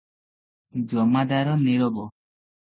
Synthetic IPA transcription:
d͡ʒɔmadaɾɔneɾɔbɔ

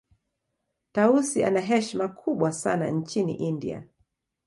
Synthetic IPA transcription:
tausia̰naɦɛʃmakʰuɓwasa̰na̰nt͡ʃinḭʔindḭa̰

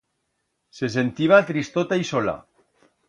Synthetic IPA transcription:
ses̬ent̪iβ̞at̪ɾist̪ot̪aisola̰

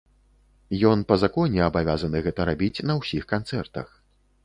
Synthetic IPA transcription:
jɔnpɐzakɔnʲɛabavʲazɐnɨɣɛt̪ɐɾabʲit͡sʲnɐwsʲixkant̪sɛrt̪ɐ̰x

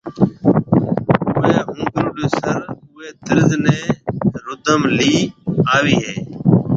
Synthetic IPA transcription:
ʊeːɦʊ̃ːɡɾuːɖeːsəɾʊːeːt̪ɪɾzneːɾʊt̪əmliːaːʋiːɦeː

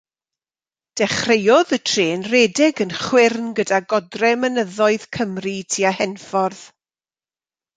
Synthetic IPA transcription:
d̥ɛχrejɔðətʰreːnrɛdɪɡənχwɪrnɡədaɡɔdrɛmənəðɔɨð̥kʰəmritʰiːahɛnfɔrð̥

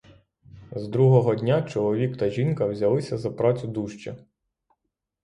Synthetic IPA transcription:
zd̪ɾuɦɔɦɔdʲnʲat͡ʃɔlˠɔʋʲikt̪ɐʒinkɐwzʲɐlˠɪsʲɐzɐpɾɑt͡sʲʊd̪uʃt͡ʃɐ

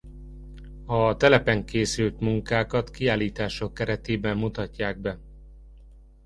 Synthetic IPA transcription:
ɒt̪ɛlɛpɛŋkeːsylt̪muŋkaːkɒt̪kiaːlːiːt̪aːʃo̞kːɛɾɛt̪eːbɛmːut̪ɒcːaːɡ̚bɛ

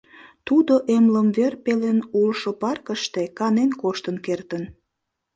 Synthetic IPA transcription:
t̪ud̪oʔemləmverpelenulʃopɑrkəʃt̪ekɑnenkoʃt̪ənkert̪ən

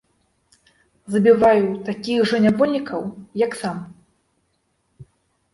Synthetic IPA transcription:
zɐbʲivajut̪akʲiɣʐɐnʲavɔlʲːikʰɐwjɐksam

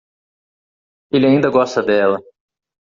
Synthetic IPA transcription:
elɪaĩnd̪ɐɡɔst̪ɐd̪ɛlɐ

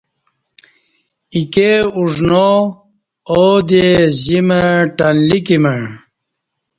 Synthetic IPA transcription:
ikeuʐno | od̪eziməʈanlikimə

